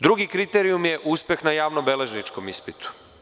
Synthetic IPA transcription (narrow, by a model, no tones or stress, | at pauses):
d̪ɾuɡikɾit̪eɾiumjeʔuspje̞xnajaːʋnobe̞le̞ʒnit͡ʃko̞mispit̪u̥